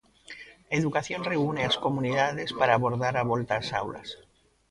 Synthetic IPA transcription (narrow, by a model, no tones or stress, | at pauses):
eðukaθjo̞nre̞uneasko̞muniðað̞e̞spaɾaːβo̞ɾðaɾaβ̞o̞lt̪asa̰wla̰s